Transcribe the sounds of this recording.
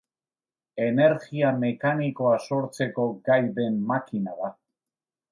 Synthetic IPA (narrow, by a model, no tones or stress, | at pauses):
e̞ne̞ɾɣiame̞kaniko̞aso̞ɾt͡se̞ko̞ɡajðe̞mːakinaða